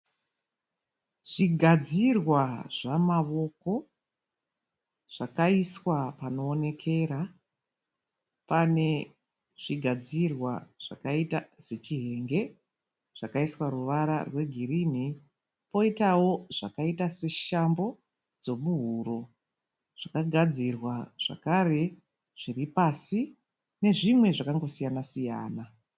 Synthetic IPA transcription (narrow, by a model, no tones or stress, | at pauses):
ʐ̥iɡʱad͡zirwaʐamaʋo̞ko̞ | ʐ̥akaiswapano̞ːne̞kʰe̞ːɾa | pane̞ | ʐ̥iɡʱad͡zirwaʐ̥a̰kaitase̞t͡ʃiɦe̞ŋɡe̞ | ʐ̥akaiswaruʋaɾa̰rwe̞ɡʱirin̤i | po̞itawo̞ʐ̥a̰kaitase̞ʃambo̞ | d͡zo̞muɦuɾo̞ | ʐ̥akaɡʱad͡zirwaʐ̥a̰kaɾe̞ | ʐ̥iripasi | ne̞ʐimwe̞ʐakaŋɡo̞sijanasija̰ːna